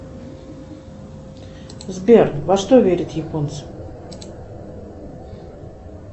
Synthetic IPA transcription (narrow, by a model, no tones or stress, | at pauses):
zbʲervɐʂt̪ovʲeɾʲɪt̪jɪpont̪s